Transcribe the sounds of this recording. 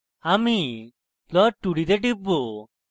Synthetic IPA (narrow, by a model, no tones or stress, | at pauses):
ami | lɔʈːuɽid̪eʈ̬ibːo